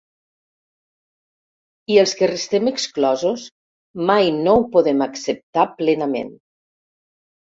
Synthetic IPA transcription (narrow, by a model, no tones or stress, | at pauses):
iəlˠskərəst̪ɛməksklɔzus | majnowpoðemaksəp̚t̪aplɛnamḛn